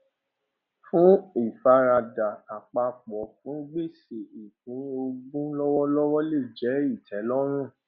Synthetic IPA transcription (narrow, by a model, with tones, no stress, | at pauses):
fũ˦i˦˨fa˧ɾa˧da˨a˨k͡pa˧fɔ˨˦fũ˨˦ɡ͡be˦˨se˨i˨hĩ˨˦o˧ɡũ˦lɔ˦wɔ˦lɔ˦wɔ˦le˦˨d͡ʒɛ˨˦i˦˨tʰɛ˨˦lɔ˦ɾ̃ũ˦˨